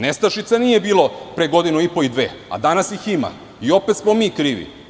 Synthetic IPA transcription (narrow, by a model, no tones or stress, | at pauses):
nest̪aʃit̪saniːje̞biːlo̞pɾeɡo̞d̪inuipo̞id̪ʋḛːa̰d̪anasjixima̰ | io̞pet̪smomiːkɾiːʋḭ